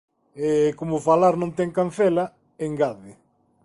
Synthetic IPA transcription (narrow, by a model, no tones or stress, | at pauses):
ɛkomʊfalaɾnõnt̪ɛŋkanθɛla | eŋɡaðɪ